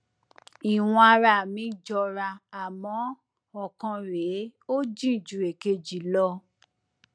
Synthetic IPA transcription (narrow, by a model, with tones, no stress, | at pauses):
i˨w̃ɔ̃˧a˧ɾa˧˨mĩ˨˦d͡ʒɔ˧ɾa˧a˨mɔ̃˨˦ | ɔ˨kɔ̃˧ɾe˨˦o˦d͡ʒĩ˦˨d͡ʒu˨e˨ke˧d͡ʒi˨˦lɔ˧